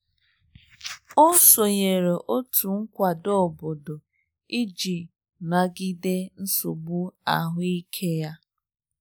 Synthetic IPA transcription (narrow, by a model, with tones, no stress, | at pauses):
o˦so˨ɲe˨ɾe˨ʔo˦tʰu˨ŋ̩˦kʷa˨do˦˨bo˨do˨ | i˦d͡ʒi˨ | na˨ɡi˦de˦n̩˦so˨bu˦a̰˨ɦʊ˦i˦kʰe˦ja˦